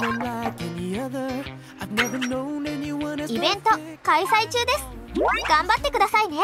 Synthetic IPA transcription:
ɪ̃nlaɪkɛniʌðə˞ | aɪvnɛvə˞nõʊ̃nɛniwʌ̃nibent̪ɔkajsajt͡ʃud̪esjuaniɡambat̪ːikud̪asajne

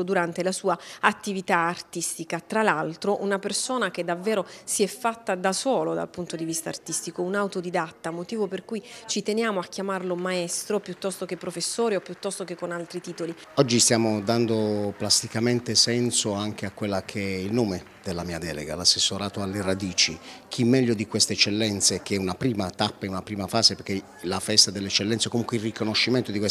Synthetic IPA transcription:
od̪uɾant̪elasuːaat̪ːivit̪aːrt̪ist̪ikat̪ɾalalt̪ɾoʔunapersoːnaked̪avːɛːɾosiɛfːat̪ːad̪asɔːlod̪a̰lpunt̪od̪ivist̪aːrt̪ist̪ikounawt̪od̪id̪at̪ːamot̪iːvoperkujt͡ʃit̪enjaːmoakːjamarlomaɛst̪ɾopjut̪ːɔst̪ok̟epːɾofesːoːɾiopːjut̪ːɔst̪okekːonalt̪ɾit̪iːt̪oli | ɔd͡ʒːist̪jaːmod̪and̪oplast̪ikament̪esɛnsoaŋk̟eakːwelːakʰeɛilnoːme | d̪elːamiːad̪ɛːlḛɡa̰lasːesːoɾaːt̪oalːerad̪iːt͡ʃikʰimːɛʎːod̪ikwest̪eɛt͡ʃːelːɛnt̪sekeɛunapɾiːmat̪apːaɛunapɾiːmafaːzepeɾkːe | lafɛst̪ad̪elːeɛt͡ʃːelːɛnt̪seɛkomuŋkweilrikonoʃːiment̪od̪ikwes

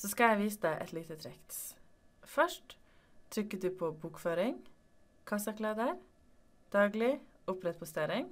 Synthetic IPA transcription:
sɔskɑjæɪʋiːsəd̪ɛʔɛ̰t̪liːt̪ət̪ʰɾɛkt̪ | fœʂʈ̪ʰː | ɾʏkːəd̪ʉːpʰoːbuːkføːɾɪŋ | kʰɑsɑkʰlɑːd̪əɾ | d̪̥ɑːɡlɪʊpɾɛt̪̚pʰɔst̪eɾɪŋ

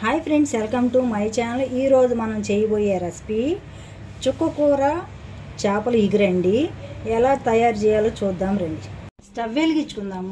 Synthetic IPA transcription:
hajpʰɾeɳɖsɛlkɐmʈuːmɐjɐt͡ʃaːnɐluʔiːɾo̞ːd͡ʒumɐnɐmt͡ʃeːjɐboːjeɾɐspi | t͡ʃukːɐkuːɾaː | t͡ʃaːpɐluiɡiɾɐɳɖiɛlaːt̪ɐjaːɾt͡ʃɛːjaːloːt͡ʃuːd̪ːaːmɾeɳɖi | sʈɐʋilkit͡ʃːu̥kund̪aːm

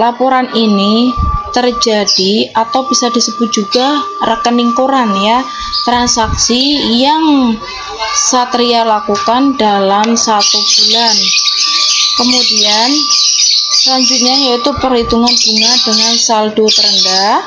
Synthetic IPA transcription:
lapoɾaninit̪ərd͡ʒad̥iat̪awb̥isadisəb̥ʊt̪̚d͡ʒ̥uɡarəkəniŋkuɾanja | t̪ɾansaksijaŋ | sat̪ɾialakukandalamsat̪ub̥ulan | kəmudian | slaɲd͡ʒut̪̚ɲajait̪upərlit̪uŋanb̥uŋadəŋansalduat̪əɾənda

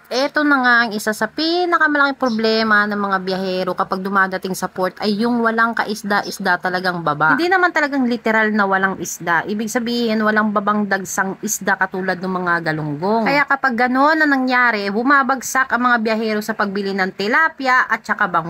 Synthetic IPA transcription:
ʔɛt̪o̞nɐŋaʔɐŋʔɪsasɐpinɐkɐmɐlɐkɪŋpɾoblɛːmɐnɐŋmɐŋabjɐhɛɾo̞kɐpaɡ̚d̪ʊmaːd̪ɐt̪ɪŋsɐpoɾt̪ɐjːʊŋwɐlaŋkɐʔɪsd̪aʔɪsd̪at̪ɐlɐɡaŋbɐbaʔd̪inɐmant̪ɐlɐɡaŋlɪt̪ɛɾalnɐwɐlaŋʔɪsd̪aʔiːbɪɡ̚sɐbiːhɪnwɐlaŋbɐbaŋd̪ɐɡsaŋʔɪsd̪akɐt̪uːlɐd̪̚nʊŋmɐŋaɡɐlʊŋɡoŋkɐjaʔkɐpaɡːɐno̞nːɐŋnɐŋjaːɾɛbʊmabɐɡsakʔɐŋmɐŋabjɐhɛːɾo̞sɐpɐɡ̚bɪlɪnɐŋt̪ɛlaːpjaʔɐt̪̚t͡ʃɐkabɐŋ

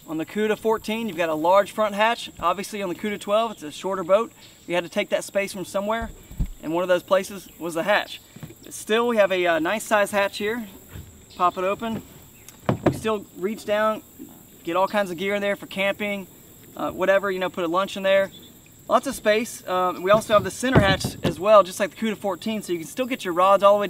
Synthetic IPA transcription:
ə̃nðɨkʰʉɾɨfɔɹtʰĩnjʉvɡɑɾəlɑɹd̥ʒ̥fɹʌ̃nʔ̚ɦæt͡ʃʔɑbviɨsliɨ̃nðɨkʰʉɾɨtʰw̥ɛlˠvətsɨʃɔɹɾə˞boʊt̚wiɨd̚tɨtʰeɪk̚ðɨtspeɪsfɹʌ̃msʌ̃mwɛɹʔɨ̰̃nwʌ̃nʌvðoʊz̥pʰl̥eɪsɨzwʌzɨɦæ̰t͡ʃb̥ʌtstɪlˠwiɨvɨʌnaɪsaɪz̥hæt͡ʃhiɹ | pʰɑpəɾoʊpɨ̃n | wistɪlˠɹit͡ʃd̥ãʊ̃n | ɡ̥ɛɾɔlˠkʰãɪ̃nzʌvɡɪɹɨ̃nðə˞fə˞kʰæ̃mpɪ̃ŋ̰ | wʔʌɾɛvə˞jɨnoʊpʰʊɾəlʌ̃nt͡ʃɨ̃nðə˞ | lʔɑtsʌ̥speɪswiɔlˠsoʊəvðɨsɪ̃ɾ̃ə˞hæt͡ʃɨzwɛlˠd͡ʒʌstˡlaɪk̚ðə̥kʰʉɾɨ̥fɔɹtʰĩnsoʊjɨkɨ̃n̩stɪlˠɡɛt͡ʃə˞ɹɑdzɔlˠəweɪ

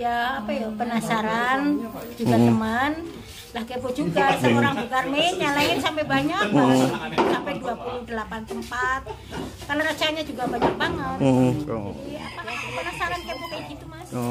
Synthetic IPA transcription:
jaːpajapənasaɾand͡ʒ̥uɡat̪əman | lahkepod͡ʒuɡasəoɾaŋbukarmeɲalaɪnsampɛbaɲak | sampɛduapulʊhdəlapant̪əmpat̪̚ | kalaɾat͡ʃanɲad͡ʒuɡabaɲak̚baŋət̪ | jaapakapənasaɾankepokajiɡit̪umas

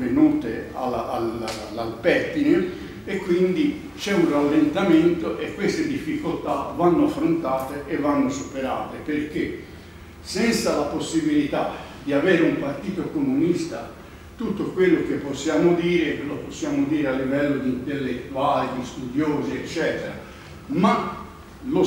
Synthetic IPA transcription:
venuːt̪ḛa̰laal | alpɛt̪ːine | ekːwind̪i | t͡ʃɛunralːent̪ament̪oʔekːwest̪ed̪ifːikolt̪avanːoafːɾont̪aːt̪eʔevːanːosupeɾaːt̪eperke | sɛnt̪salaposːibilit̪a | d̪iaveːɾeumpart̪iːt̪okomunist̪a̰ | t̪ut̪ːokwelːok̟epːosːjaːmod̪iːɾekelːoposːjaːmod̪iːɾealːivɛlːod̪iint̪elːet̪ːuaːled̪ist̪ud̪joːzeet͡ʃːɛːt̪eɾa̰ | ma | lo

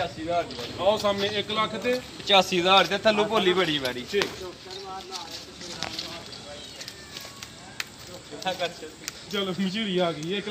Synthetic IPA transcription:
aːsiːzaːɾaosaːmẽːɪkləkʰt̪eːpət͡ʃaːsiːzaːɾt̪eːt̪ʰaːlũːpoːliːbəɽiːʋɛːɾiːʈʰiːkː | kət͡ʃʰː | t͡ʃəlmɪt͡ʃuɾiːaːɡəiːɪk

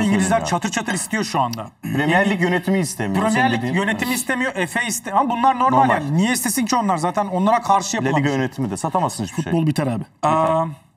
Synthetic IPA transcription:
iɲɟilʲizlʲæɾt͡ʃʰat̪ʰɯɾt͡ʃʰat̪ʰɯɾist̪ʰijo̞ʃuand̪a̰ | ɾemijɛɾlʲːicjønet̪ʰimiːst̪ʰemipɾemijɛɾllʲːijø̞net̪ʰimiːst̪ʰe̞mijo̞ʔefɛist̪ʰehamabunlˠaɾno̞ɾmalʲjaːninijɛist̪ʰe̞sincʰio̞nlˠaɾzaːt̪ʰæno̞nlˠaɾakʰaɾʃɯjaplʲeijønet̪ʰimid̪ɛsat̪ʰamasɯnfut̪bolˠbit̪ʰaɾabɛɛ

